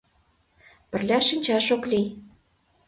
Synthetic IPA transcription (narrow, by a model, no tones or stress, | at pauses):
pɘ̆rlʲæʃinʲt͡ɕɑʃoklʲi